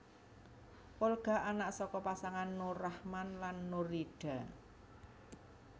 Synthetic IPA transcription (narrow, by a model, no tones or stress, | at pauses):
polɡ̥a̤ʔanaʔsɔkɔpasaŋanːoɾahmanlanːoɾiɖ̥a̤